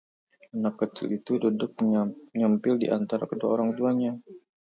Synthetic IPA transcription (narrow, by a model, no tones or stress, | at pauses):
anakːət͡ʃ̪ṵit̪udodʊk̚mɲampɪldḭʔant̪aɾakədua̰oɾaŋkəduaɲa